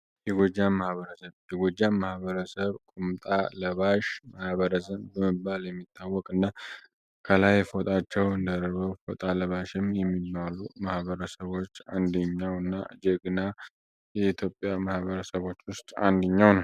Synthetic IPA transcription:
jɛɡod͡ʒːamːahβəɾəsəβjɛɡod͡ʒːamːahβəɾəsəβkʼumt̪ʼaləβaʃmahβəɾəsənd̪bəməbːaljɛmːit̪ʰːawːɔkʼɨnːa | kʰəlajfot̪ʼat͡ʃːɛwɨnd̪əɾɾβəwfo̰t̪ʼaləβaʃɪmjɛmːibːalumahβəɾəsəβo̞t͡ʃːa̰nd̪əɲːawɨnːa̰d͡ʒɛɡɨna | jɛit̪ʰjo̞pʼjamahβəɾəsəβo̞t͡ʃːwʊst̪ʼa̰nd̪əɲːawnəw

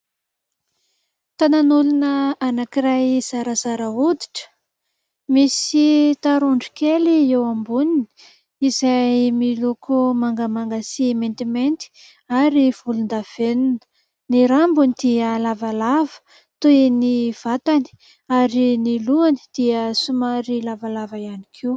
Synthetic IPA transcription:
t̪ananulunəanakiɾajz̥aɾazaɾaud̪i̥ʈ͡ʂə̥ | misit̪aɾuɳɖ͡ʐikeliewambunini̥ | izajmilukumaŋɡəmaŋɡasiment̪iment̪i̥ | aɾiv̥ulund̪av̥eninə̥ | niɾambunid̪iəlavalavə̥ | t̪ueniv̥at̪ani̥ | aɾiniluani̥d̪̥iəsumaɾilavalavajanikʰiw

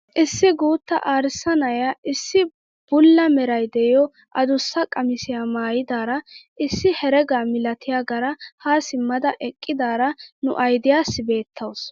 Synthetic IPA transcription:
ʔɪsːɪɡuːt̪ːɐ̰ʔaːɾɪsːɐnɐjɐʔɪsːɪ | b̥ʊlːɐmɛɾɐjd̪ɛjɔ | ʔɐd̪ʊsːɐkʼɐmɪsɪjamaːjɪd̪aːɾɐʔɪsːɪhɛɾɛɡaːmɪlɐt̪ʰɪjaːɡɐɾɐhaːsɪmːɐd̪ɐʔɛkʼːɪd̪aːɾɐnʊ̰ʔɐjd̪ɪjaːsːɪbe̞ːt̪ʰːɐws

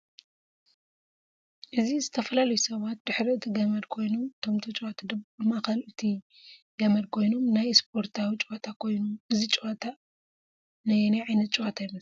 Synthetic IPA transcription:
ʔɨzizɨt̪ʰɐfɐlalɐjusɐβat̪̚d̪ɨħɾiɨt̪ʰiɡɐmɐɾkʰo̞jnomt̪ʰomt̪ʰɐt͡ʃʼoat̪ʰad̪ɐβbɨmakɐlʔɨt̪ʰi | ɡ̥ɐmɐɾkʰo̞jnomnajspʰo̞ɾt̪ʰawit͡ʃʼat̪ʰakʰo̞jnuʔɨzit͡ʃʼat̪ʰa | najnɐʕajnɐt̪̚t͡ʃʼowat̪ʰajnɐ

